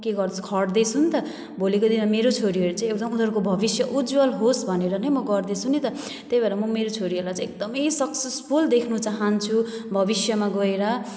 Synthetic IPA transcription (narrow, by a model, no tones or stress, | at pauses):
keɡʌrd̪ʌu̥kʰʌɽd̪ʌt͡sʰunt̪ʌ | bʱolikod̪inmameɾot͡sʰoɾiɦʌɾut͡sãĩek̚d̪ʌmunɦʌɾukobʱʌbisjʌʔud͡zwʌlɦosbʱʌneɾʌnʌjmʌɡʌrd̪et͡sʰunit̪ʌ | t̪ejbaɾamʌmeɾot͡sʰoɾiɦʌɾlat͡sãek̚d̪ʌmʌjsʌksespʰuld̪ekʰnut͡saɦant͡sʰubʱʌbisjʌmaɡʌeɾʌ